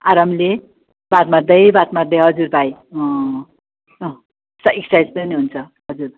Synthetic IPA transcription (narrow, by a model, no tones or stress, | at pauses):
aɾamle | bat̪mard̪ʌjbat̪mard̪ʌjɦʌd͡zurbʱaj | sʌiksajspʌniɦunt͡sʰʌ | ɦʌd͡zuɾ